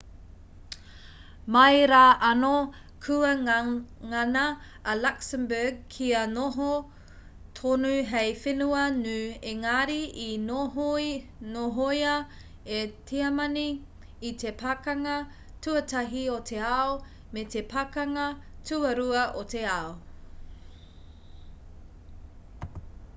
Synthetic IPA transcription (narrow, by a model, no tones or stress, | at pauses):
mɐjɾaːʔɐno | kʰuɐ | ŋɐnɐː | laksəmbəɡ̚kʰiɐnoɦo | tʰonuɦejfenuɐnʉeŋaɾiʔi | noɦoiɐ | etʰiɐmɐniː | tʰepʰakɐŋɐ | tuɐtɐɦiotʰeao | metepʰakɐŋɐtuɐɾuɐʔoteao